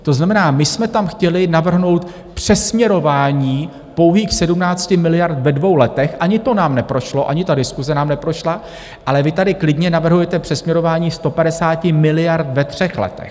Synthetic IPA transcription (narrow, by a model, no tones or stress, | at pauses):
t̪o̞znamɛnaːmɪsmɛt̪amxcɛlɪnavr̩ɦno̞wt̪ | pr̝̥ɛsmɲɛɾo̞vaːɲiː | po̞wɦiːxsɛdumnaːt͡scɪmɪlɪjaɾt̪vɛdvo̞wlɛt̪ɛxʔaɲɪt̪o̞naːmnɛpɾo̞ʃlo̞ʔaɲɪt̪adɪskuzɛnaːmnɛpɾo̞ʃla | ʔalɛvɪt̪adɪklɪdɲɛnavr̩ɦujɛt̪ɛpr̝̥ɛsmɲɛɾo̞vaːɲiːst̪o̞padɛsaːcɪmɪlɪjaɾt̪vɛt̪r̝̥ɛxlɛ̰t̪ɛ̰x